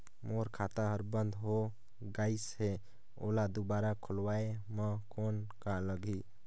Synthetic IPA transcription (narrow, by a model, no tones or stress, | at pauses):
moɾkʰat̪aɦəɾbənd̪ʱɦo | ɡaɪsɦe | o̰lad̪ubaɾakʰolwaeməkonkaləɡi